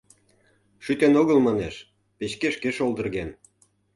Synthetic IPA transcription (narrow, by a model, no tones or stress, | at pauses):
ʃyt̪enoɣəlmɑneʃ | pet͡ɕkeʃkeʃold̪ə̆rɣen